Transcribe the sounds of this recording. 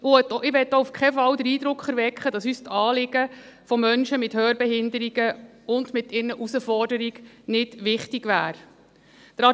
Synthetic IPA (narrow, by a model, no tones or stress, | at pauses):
ʔʊɛtːɪʋɛt̪ːoufkʰɛfɑwd̪əɾiːd̥̪ɾʊkʰχɛɾʋɛkχədɑsyːstɑːlɪɡəfɔmœnʃəmɪthøːɾbɛɦɪnd̪əɾiɡ̥ə | ʊndmɪtɪɾnəʔusəfɔɾdəɾiɡ̥ | nɪdʋɪχtiɡʋæːɾ | d̥əɾɑ